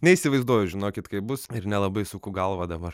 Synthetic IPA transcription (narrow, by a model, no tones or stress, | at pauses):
nʲɛisʲɪʋɐɪzd̪uɔjʊʒʲɪnoːkʲɪt̪kɐɪbʊsɪɾnʲɛlˠɐbɐɪsʊkuːɡɐlˠʋɐd̪ɐbɐr